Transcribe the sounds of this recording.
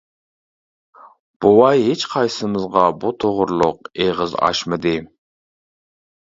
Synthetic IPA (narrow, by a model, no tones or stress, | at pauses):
b̥owɑjɦet͡ʃqʰɑjsɨmɨzʁɑbut̪ʰoʁʊɾlˠʊq̚eʁəzɑ̰ʃmɨd̪ɪ